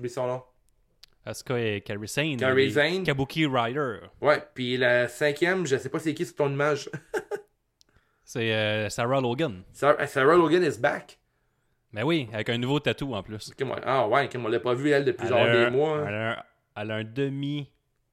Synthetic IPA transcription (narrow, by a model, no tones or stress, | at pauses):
bisɔ̃nɔ̃ | ɑ̃skɔɛkʲaɹisɛ̃nkaɹizɛ̃nkabukʰʲiʁajə˞wɛpɥilasɛ̃kʲjɛmʒəsɛpʌsiekʲist̪ɔ̃nimaʒ | sɛsaɹaloɡənsasaɹaloɡənɪzbak | mɛwiavɛkɛ̃nuvot̪at̪uɑ̃plʏsmwɛ̰ʔa̰wɛkɛmɔ̃lːapʌvyɛld̪əplyzzjɑːʁd̪emwala | alɛ̃d̪əmi